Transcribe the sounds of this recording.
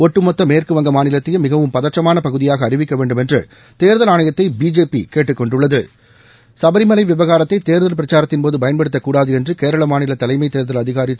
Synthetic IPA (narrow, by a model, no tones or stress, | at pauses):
ɔʈːɯmɔt̪ːɐmeːrkɯʋɐŋɡɐmaːnɪlɐt̪ːɪjɐmɪɣɐʋɯmpɐðɐʈːɐmaːnɐpɐɣɯðɪjaːɣɐːrɪʋɪkːɐʋeːɳɖɯmɛndrɯ | t̪eːɾðɐlaːnɐjɐt̪ːɐɪbiːd͡ʒeːpḭkeːʈːɯkːɔɳɖɯɭːɐðɯ | sɐbɐɾɪmɐlɐɪʋɪʋɐɣaːɾɐt̪ːɐɪt̪eːɾðɐlpɪɾɐt͡ʃaːɾɐt̪ːɪnpoːðɯpɐjɐnpɐɽɯt̪ːɐkːuːɽaːðɯɛndrɯkeːɾɐɭɐmaːnɪlɐt̪ːɐlɐɪmɐɪt̪eːɾðɐlɐðɪɣaːɾɪ